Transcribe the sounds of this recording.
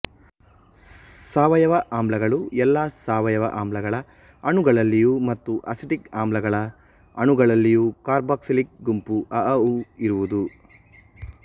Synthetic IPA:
saːʋɐjɐʋɐʔaːmblɐɡɐɭuɛlːaːsaːʋɐjɐʋɐ̰ʔaːmblɐɡɐɭɐ | ɐɳuɡɐɭɐlːijumɐt̪ːuʔɐ̰siʈikaːmlɐɡɐɭɐ | ɐɳuɡɐɭɐlːijukaːɾbaːksilik̚ɡumpuʔɐʔɐuiɾuʋud̪u

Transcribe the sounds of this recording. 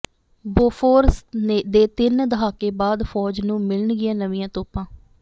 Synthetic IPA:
boːfʰoːɾsned̪eːt̪ɪnd̪əɦaːkeːbaːd̪fʰɔːd͡ʒnũːmɪləɳɡɪãːnəʋɪ̃jãːt̪oːpãː

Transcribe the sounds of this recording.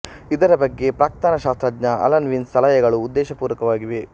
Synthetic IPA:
id̪ɐɾɐbɐɡːe̞pɾaːkt̪anɐʃaːst̪ɾɐdɲɐʔɐ̰lɐnʋinst̪ɐlɐjɐɡɐɭuːd̪ːɛːʃɐpuːɾɐkɐʋaːɡiʋe

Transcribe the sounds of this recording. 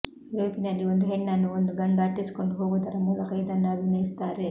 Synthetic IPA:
ɾuːpinɐlːio̞nd̪uɦeɳːɐnːuond̪uɡɐɳd̪aːʈːisi̥ko̞ɳɖuɦoːɡuːd̪ɐɾɐmuːlɐkɐjid̪ɐnːɐːbʱinɐjisi̥t̪aːɾe̞

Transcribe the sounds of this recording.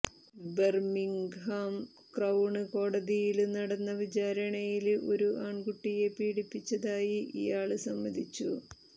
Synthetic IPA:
bermiŋɡɦaːm | krɐwɳɨko̞ːɽɐðijilnɐɽɐnːɐʋit͡ɕaːɾɐɳɐjilʔo̞ɾuʔaːɳɡuʈːije̞piːɽipːit͡ɕːɐðaːjiʔḭjaːɭɨsɐmːɐd̪ʱit͡ɕːu

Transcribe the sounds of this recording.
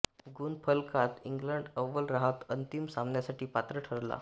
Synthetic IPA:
ɡuːnpʰəlkat̪iŋɡləɳɖəʋːəlɾaɦat̪ənt̪imsamnjasaʈʰiːpat̪ɾəʈʰəɾla̰

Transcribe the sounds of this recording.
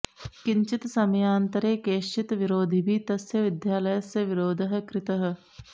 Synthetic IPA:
kɪɲt͡ʃit̪sɐmjaːnt̪ɐɾeːkeːʃt͡ʃit̪ʋiɾoːd̪ʱibʱit̪ɐsjɐʋɪd̪jaːlɐjɐsjɐʋiɾoːd̪ʱɐɦɐ̆kɾɪt̪ɐɦɐ̆

